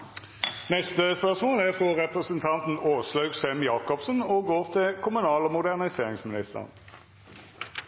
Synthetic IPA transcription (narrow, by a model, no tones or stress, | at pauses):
nɛst̪əspœʁsmoːlæʁfʁoːʁɛpʁəsənt̪ʰɑnt̪n̩oːslœʉɡsɛmjɑːkɔpsnoːɡoːʁt̪ʰɪkʰʊmʉnɑːləmʊd̪æʁnɪseːʁɪŋsmɪnɪst̪ə̰ʁn